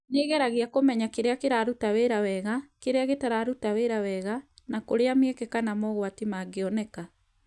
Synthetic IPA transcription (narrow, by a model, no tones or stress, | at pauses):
neːɣɛɾaɣeakomɛɲakeɾeakeɾaɾutaweɾawɛɣakeɾeaɣetaɾaɾutaweɾawɛɣanakoɾeamekekanamɔɣwatimaɡeɔnɛka